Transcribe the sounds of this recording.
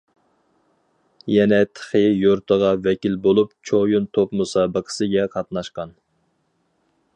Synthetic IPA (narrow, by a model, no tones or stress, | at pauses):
jɛnɛt̪ʰə̥χəjoɾt̪ʰəʁɑvɛkʲilbolˠupt͡ʃʰojunt̪ʰopmɨsɑbəqʰə̥sɨɡʲɛqʰɑt̪nɑʃqɑn